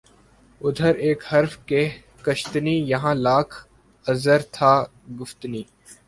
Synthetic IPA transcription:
ʊd̪ʱəɾeːkhəɾfkeː | kəʃt̪niːjɐɦãːlaːkʰ | əzəɾt̪ʰaː | ɡʊft̪niː

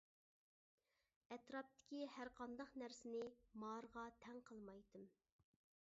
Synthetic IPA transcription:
ɛt̪ɾɑp̚t̪ʰɪ̥kʲihæɾqʰɑnd̪ɑχnæɾsɪnɪmɑɾʁɑt̪ʰɛŋqʰəlˠmɑjt̪ɨm

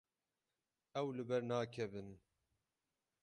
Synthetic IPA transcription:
ɛwlɨbɛɾnaːkʰɛbɨn

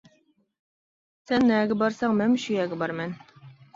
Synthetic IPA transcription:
sænːææɡɘbɑɾsɑŋmæmɕyjæɡɘbɑɾmæn

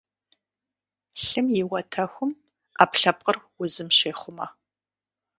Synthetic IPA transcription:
ɬɨmjɪwɐtʰɐxʷʊm | a̰ːpɬɐp̚ʼqʼərwʊzɨmɕeːχʷʊmɐ

